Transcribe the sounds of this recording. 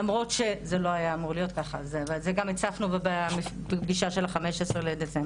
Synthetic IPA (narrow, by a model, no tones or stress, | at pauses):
amʁo̞tʃe̞zelo̞ajaːmuʁlijo̞t̪̚kaχa̰zevazeɡamit͡safnuvebemibɡiʃaʃe̞lχameʃesʁeled̪et͡semb